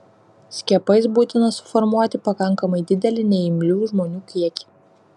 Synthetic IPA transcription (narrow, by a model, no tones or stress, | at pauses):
sʲkʲiɛpɐɪsbuːt̪ʲɪnɐsʊ̥fɔɾmuɔt̪ʲɪpɐkɐŋˑkɐmɐɪd̪ʲɪd̪ʲɛlʲɪnʲɛɪmʲlʲuːʒmoːnʲuːkʲiɛkʲi̥